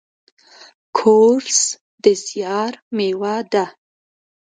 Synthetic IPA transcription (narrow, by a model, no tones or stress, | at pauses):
kʰoɾs | d̪əsjɑɾmewad̪a